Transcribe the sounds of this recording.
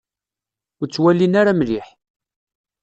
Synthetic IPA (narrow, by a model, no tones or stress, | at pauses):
ʊɾt͡sːwælːinaɾamliħ